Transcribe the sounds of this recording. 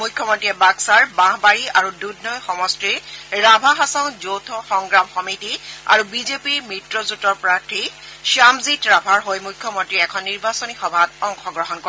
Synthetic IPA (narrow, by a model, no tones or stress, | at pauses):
mujkʰjɔmɔntɹiɛbaksaɹbãɦbaɹiaɹududnɔjxɔmɔstɹiɹɹabʱaɦasɔwzowtʰɔxɔŋɡɹamxɔmitia̰ɹubizepiɹmɹitɹɔzutɔɹpɹaɹtʰiʃamzitɹabʱaɹɦojmujkʰːjɔmɔntɹiɛɛkʰɔnːiɹbasɔnixɔbʱatɔŋxɔɡɹɔɦɔnkɔɛ